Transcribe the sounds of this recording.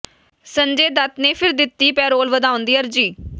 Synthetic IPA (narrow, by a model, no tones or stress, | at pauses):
səɲd͡ʒeːd̪ət̪neːpʰɪɾd̪ɪt̪ːiːpɛːɾoːlʋəd̪aːʊ̃nd̪iːəɾd͡ʒiː